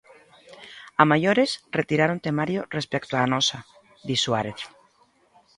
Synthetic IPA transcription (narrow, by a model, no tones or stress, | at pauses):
amajoɾesret̪iɾaɾont̪emaɾjorespek̚t̪oanosa | d̪iswaɾeθ